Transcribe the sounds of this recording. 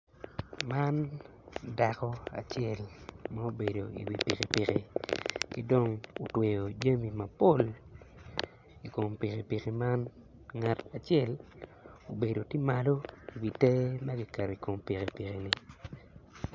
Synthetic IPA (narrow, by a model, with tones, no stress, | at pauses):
ma˦n | da˨kɔ˦a̰˨t͡ʃjɛ˦˨lma˦o˦be˨do˨ḭ˨wḭ˨pi˨ke˨pi˨ke˨kɪ˦do˦ŋo˨twe˨jo˨d͡ʒa˦mi˨ma˨po˦˨l | i˨ko˨mpi˨ke˨pi˨ki˨ma˦n | ŋa˨ta˨t͡ʃɛ˦l | o˨be˨do˨ti˦ma˨lo˦i˨wi˨tɛ˦ma˦ɡi˦kɛ˨ɾi˨ko˨mpi˨ke˨pi˨ke˨ni˨